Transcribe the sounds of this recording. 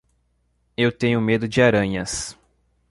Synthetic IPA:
ewt̪ẽɲʊmed̪ʊd͡ʒɪaɾɐ̃ɲɐs

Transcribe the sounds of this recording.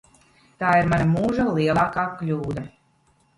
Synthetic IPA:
t̪aːiɾmanamuːʒalˠiɛlˠaːkaːklʲuːd̪a

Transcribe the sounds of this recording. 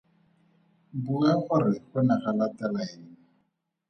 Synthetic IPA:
buaχʊrɪχʊnaχalatalaɛn̩

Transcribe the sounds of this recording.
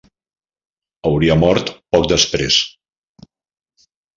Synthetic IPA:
əwɾiəmɔɾt̪pɔk̚d̪əspɾḛs

